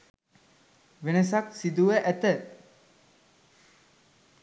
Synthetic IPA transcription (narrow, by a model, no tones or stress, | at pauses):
ʋenəs̬ɐksid̪uʋəʔæt̪ə